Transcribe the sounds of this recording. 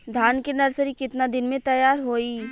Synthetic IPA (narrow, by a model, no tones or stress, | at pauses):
d̪ʱaːnkenɐɾsəɾikɪt̪nad̪ɪnmẽt̪ɐjaːɾɦoːiː